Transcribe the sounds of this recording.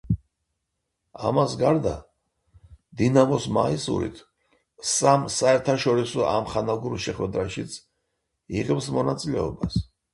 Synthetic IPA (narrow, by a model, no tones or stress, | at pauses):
a̰masɡaɾd̪a | d̪inamɔsma̰isṵɾḭt̪ʰ | samsaɛɾt̪ʰaʃɔɾisɔa̰mχanaɡuɾʃɛχwɛd̪ɾaʃit̪sʰ | iʁɛpsmɔnat̪sʼilɛɔbas